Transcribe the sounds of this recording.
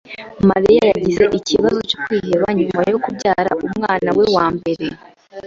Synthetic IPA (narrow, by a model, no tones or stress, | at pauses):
maɾijajaɟize̞ʔiciβazo̞cokwiːjeβaɲumajo̞kubɟaːɾa̰umŋaːnawe̞waːmbe̞ɾe̞